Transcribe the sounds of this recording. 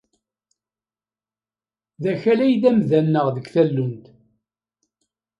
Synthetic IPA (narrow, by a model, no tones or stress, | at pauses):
ðæçælæjðæmðænːəʁðəɡθælːʊnd̪